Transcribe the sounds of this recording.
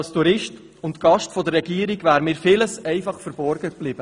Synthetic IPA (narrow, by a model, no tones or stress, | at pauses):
lstuɾɪʃt | ʊntɡ̥ɑʃtfɔd̪əɾːɛɡiːəɾiɡvæːɾmɪːɾfɪləsɛɪfɑχfəɾbɔɾɡ̥əkb̥lɪːb̥ə